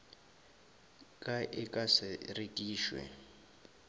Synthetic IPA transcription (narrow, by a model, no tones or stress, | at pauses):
kʼaʔɪkʼasɪrekʼiːʃwɛ̰